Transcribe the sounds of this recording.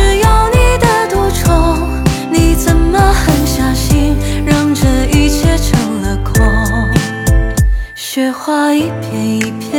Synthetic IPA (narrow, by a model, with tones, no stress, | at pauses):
ʈ͡ʂɻ̩˧˩jɑ˧ʊni˨˩d̪ə˧t̪wɔ˧˥ʈ͡ʂʰo˧˥ | ni˨˩t͡sə˨˩nmə˧xə˧˦nɕjɑ˨˩ʊɕi˥nɻɑ˥˧ŋʈ͡ʂə˧i˧t͡ɕʰjɛ˥ʈ͡ʂʰɤ˨˧˥ŋlə˧kʰwɔ˧˥ | ɕɥɛ˧xwa˥˧i˧˥pʰjɛ˧˥ni˧˩pʰjɛ˥